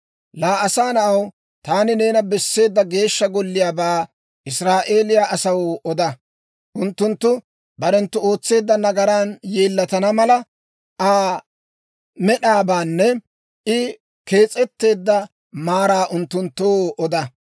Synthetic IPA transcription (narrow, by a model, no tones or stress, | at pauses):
laːɐsaːnɐɐw | t̪aːnɪne̞ːnɐbɛsːe̞ːd̪ːɐɡe̞ːʃːɐɡɔlːɪjaːbaː | ʔɪsɾaːʔe̞ːlɪjaʔɐsɐwɔd̪ɐ | ʔʊnt̪ːʊnt̪ːʊ | bɐɾɛnt̪ːʊo̞ːt͡sːe̞ːd̪ːɐnɐɡɐɾaːnjeːlːɐt̪ɐnɐmɐlɐ | ʔaː | mɛɗaːbaːnːɛ | ʔɪ | ke̞ːt͡sʼɛt̪ːe̞ːd̪ːɐ | maːɾaːʔʊnt̪ːʊnt̪ːowʔɔd̪ɐ